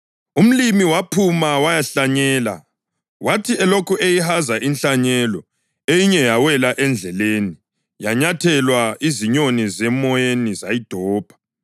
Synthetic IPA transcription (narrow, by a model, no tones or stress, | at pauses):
um̩limiwapʰumawajaɬaɲɛːla̰ | watʰiɛlokuʔejihazaʔinɬaɲɛlɔ | ejiɲɛjawɛlaʔɛnd͡ɮʱɛleːni | jaɲatʰɛlwaiziɲonizɛmɔjenizajid̥ʱɔːb̥ʱḁ